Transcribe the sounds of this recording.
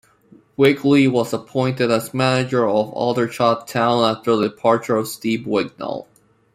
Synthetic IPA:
wɪɡʰliwʌzəpʰɔ̃ɪ̃ntɨɾəzmænɨd͡ʒə˞ʌvɔ̰lˠdə˞t͡ʃʰɑtʰãʊ̃næftə˞ðədɨpʰɑɹt͡ʃə˞ʌv̥stibwɪɡ̚nə̰l̩ˠ

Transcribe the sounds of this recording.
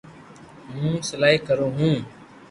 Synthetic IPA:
mũːsəlaːiːkəɾoːɦũː

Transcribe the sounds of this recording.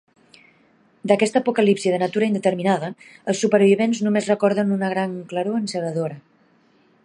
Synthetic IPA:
d̪əkɛst̪əːpukəlipsiəðənat̪uɾəind̪ət̪əɾminaðəəlˠsupəɾβiβenznumezrəkɔɾðənunəɣɾaŋkləɾuənsəβəðoɾə

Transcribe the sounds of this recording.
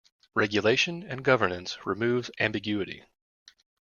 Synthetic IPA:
ɹɛɡjɨleɪʃɨ̃nɨ̃nɡʌvə˞nɨ̃nsɹɨmʉvzæ̃mbɨɡjʉɨɾḭ

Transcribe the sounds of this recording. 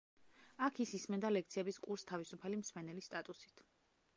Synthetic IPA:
akʰisismɛnd̪alɛkt̪sʰiɛbiskʼuɾst̪ʰavisupʰalimsmɛnɛlist̪ʼat̪ʼusi̥t̪ʰ

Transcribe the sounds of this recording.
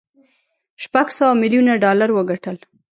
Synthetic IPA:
ʃpaɡsawamiljunaɖɑlaɾwəɡaʈəl

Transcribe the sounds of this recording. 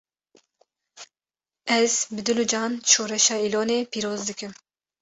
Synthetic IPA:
ɛz̥bɨd̪ɨlud͡ʒɑːnʃoːɾɛʃɑːiloːneːpʰiːɾoːzd̪ɨkɨm

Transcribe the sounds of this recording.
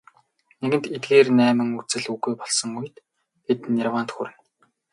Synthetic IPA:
neɣɘ̆nt̪et̪̚ɡeːrnæːmɘ̆ŋut͡sɘ̆ɮuɣujpɔɮsɞ̆ŋuj̆t̪ | ɡet̪nirwant̪xuɾɘ̆n

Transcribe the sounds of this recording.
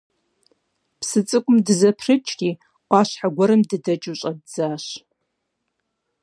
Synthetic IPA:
pʰsɨt͡sʼɨkʷʼʊmdɨzɐpʰrɨt͡ʃʼɡʲi | qʷɑɕħaɡʷɐɾɨmdɨdɐt͡ʃʼɨɕʼadd͡z̥aːʃ

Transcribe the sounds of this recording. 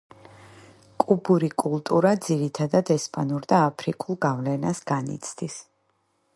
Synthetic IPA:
kʼubuɾikʼulˠt̪ʼuɾad̪ziɾit̪ʰad̪ad̪ɛspʼanuɾd̪aːpʰɾikʼulˠɡavlɛnasɡanḭt̪sʰd̪is

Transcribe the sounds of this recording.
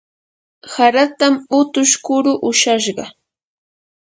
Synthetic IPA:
haɾat̪amʊt̪ʊʃkʊɾʊʔʊʃaʃɢɑ

